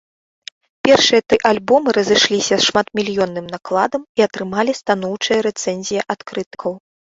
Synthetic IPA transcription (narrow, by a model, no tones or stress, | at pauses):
pʲɛrʂɨjɐt̪ɨʔalʲbɔmɨɾɐzɨʂlʲisʲɐsʂmat̪mʲilʲjɔnːɨmnaklˠad̪ɐmiɐt̪ɾɨmalʲist̪anɔwt͡ʂɨjɐɾɛt̪sɛnʲzʲijɐʔat̪kɾɨt̪kʰɐw